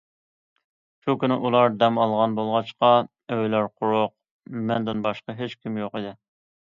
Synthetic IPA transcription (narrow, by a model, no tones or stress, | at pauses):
ʃukʲynɪʔulˠɑɾd̪ɛmɑlˠʁɑnbolˠʁɑʃqɑ | øjlæɾqʰʊɾʊq̚ | mɛnd̪ɪnbɑʃqɑɦet͡ʃkʲʰimjoqəd̪ɪ